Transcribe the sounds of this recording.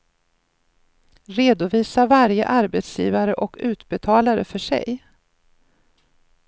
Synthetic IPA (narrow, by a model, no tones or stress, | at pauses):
ɾeːd̪ʊviːsavaɾjə̰ʔaɾbɛt̪sjḭːvaɾəʔɔkʉ̟ːt̪bɛt̪ʰɑːlaɾə̰fœʂɛ̰j